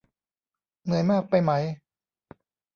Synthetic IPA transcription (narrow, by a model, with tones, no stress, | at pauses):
mɯ˨˧˦əjmaː˥˩k̚pa˧jma˦˥j